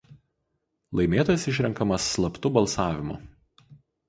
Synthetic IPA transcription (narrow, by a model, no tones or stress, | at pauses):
lˠɐɪmʲeːt̪ɔːjɛsɪʃʲɾʲɛŋˑkɐmɐsːlˠɐpt̪ʊbɐlˠsɑːʋʲɪmʊ̰